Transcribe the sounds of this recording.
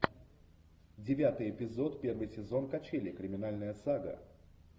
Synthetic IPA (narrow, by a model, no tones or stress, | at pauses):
dʲɪvʲat̪ɨjɪpʲɪzo̞t̪pʲe̞rvɨjsʲɪzo̞nkɐt͡ɕelʲɪkɾʲɪmʲɪnalʲnəjəsaɡə̰